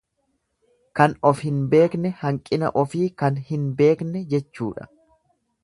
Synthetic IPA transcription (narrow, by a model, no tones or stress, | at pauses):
kɐnɔfhɪnbe̞ːknɛhɐŋkʼːɪnɐ̰ʔɔfiːkɐnhɪnbe̞ːknɛd͡ʒɛt͡ʃːuːᶑɐ̥̰